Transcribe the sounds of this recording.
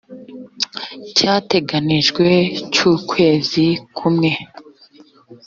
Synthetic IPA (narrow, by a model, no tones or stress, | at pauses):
caːte̞ɡaniʒɡwe̞t͡ʃuːkʰwe̞ːzikʰumŋe̞